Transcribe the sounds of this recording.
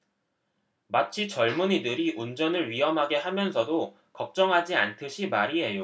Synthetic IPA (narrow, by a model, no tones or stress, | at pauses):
mat͡ɕʰit͡ɕʌɭmuɲidɯɾiʔund͡ʑʌnɯɭɥiɦʌmɦaɡe̞hamjʌnsʰʌdo | kʌp̚t͡ɕ͈ʌŋɦad͡ʑiantʰɯɕʰimaɾiɦe̞jo